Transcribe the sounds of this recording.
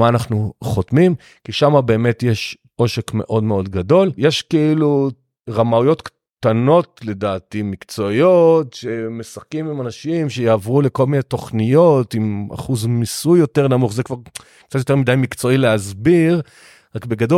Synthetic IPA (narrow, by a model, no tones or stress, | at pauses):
aːnaχnuχotmim | kiʃamabe̞ːme̞tjeʃ | ʔo̞ʃe̞kme̞̰ʔo̞dme̞o̞dɡado̞ljeʃkeilu | ʁamaujo̞tk | t̪ano̞tle̞daːtimikt͡so̞ijotʃe̞me̞sakimimanaʃimʃe̞jaːvʁule̞ko̞lminejto̞χnijo̞tima̰χuzmisujːo̞teʁnamuχzekvaʁ | kt͡sat̪̬jotemidajmikt͡so̞ileazbiʁ | ʁakbe̞ɡado